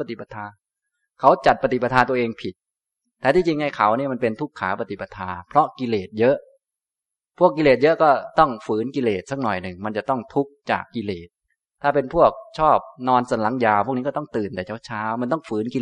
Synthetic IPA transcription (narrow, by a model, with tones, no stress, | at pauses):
pa˧t̪i˨˩pa˧t̪ʰaː˧ | kʰa˩˦wt͡ɕa˨˩t̪̚pa˧t̪i˨˩pa˧t̪ʰaː˧nt̪u˧ʔeː˧ŋpʰi˨˩t̪̚ː | ɛː˨˩t̪ʰiː˧˩t͡ɕi˧ŋha˥˩jkʰa˩˦wni˥˩ma˧npe˧nt̪ʰu˦˥kʰːaː˩˦pa˧t̪i˨˩pːa˧t̪ʰaː˧pʰɾɔ˦˥ʔki˧leː˨˩t̪̚jɤ˦˥ʔ | pʰu˥˩əkːi˧leː˨˩t̪̚jɤ˦˥ʔkɔː˥˩t̪ɔ˥˩ŋfɯː˩˦nki˧leː˨˩t̪̚sa˦˥˩k̚nɔ˨˩jnɯ˨˩ŋma˧nt͡ɕa˨˩t̪ɔ˥˩ŋt̪ʰu˦˥k̚t͡ɕa̰ː˨˩kːi˧leː˨˩t̪̚ʰː | aː˥˩pe˧npʰu˥˩ək̚t͡ɕʰɔː˥˩p̚nɔː˧nsa˨˦nla˩˦ŋjaː˧˩wʰp̚ʰni˦˥kɔ˥˩t̪ɔ˥˩ŋt̪ɯː˨˩nt̪ɛː˨˩t͡ɕʰa˥˩wt͡ɕʰaː˦˥wma˧nt̪ɔ˥˩ŋfɯː˩˦nki˧l